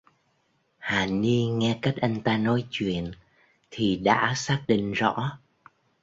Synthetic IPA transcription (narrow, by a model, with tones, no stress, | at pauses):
haː˨˩ni˧ŋɛ˧ka˦˥jk̟̚ʔa˧jŋ̟t̪aː˧nɔ˨˦jt͡ɕwḭ˧˨ən | t̪ʰi˨˩ɗa̰ː˧˥saː˦˥k̚ɗḭ̈˧˨ŋ̟zɔ̰˧˥